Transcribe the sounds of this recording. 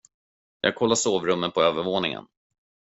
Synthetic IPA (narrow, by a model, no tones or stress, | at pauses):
jʔɑ̰ːɡ̚kʰɔlːaʂoːvɾɵmːənpʰɔøːvəɾvoːnɪŋə̰n